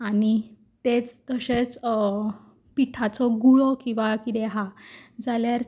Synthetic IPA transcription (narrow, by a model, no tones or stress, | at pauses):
aɽi | t̪et͡st̪əɕet͡s | piʈʰat͡sɔɡuɭɔkĩw̃ʋakid̪ɛɦad͡zaljaɾ